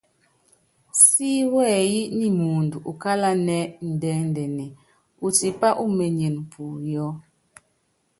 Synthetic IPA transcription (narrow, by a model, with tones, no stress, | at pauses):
si˦wɛː˦˨ji˦ʔni˦mu˨ndu˨ʔu˨ka˦la˦nɛ˦n̩˨dɛ˦n˨dɛ˨nɛ˨ | u˨ti˨pa˦ʔu˦me˨ɲe˨n˨pʰu˨jɔ˦